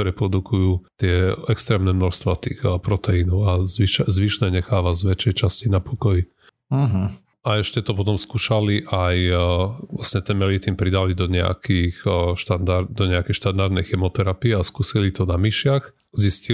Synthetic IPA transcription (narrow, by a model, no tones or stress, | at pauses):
ɔɾɛpɾɔd̪ukʰujuːt̪ɪɛɛkst̪ɾɛːmnɛmnɔʃst̪ʋat̪ḭxpɾɔt̪ɛinɔʊazʋiʃzʋiʃnɛɲɛxaːʋazʋɛt͡ʃɛjt͡ʃascinapɔkɔji | ɦ̩ | aɛʃcɛt̪ɔpɔt̪ɔmskuːʃaliʔaj | lasɲɛt̪ɛnmɛlit̪impɾid̪alid̪ɔɲɛa̰kixʃt̪and̪aɾd̪ɔɲɛakɛjʃt̪and̪aɾd̪nɛjxɛmɔt̪ɛɾapiɛaskuːsilit̪ɔnamiʃɪax | zisci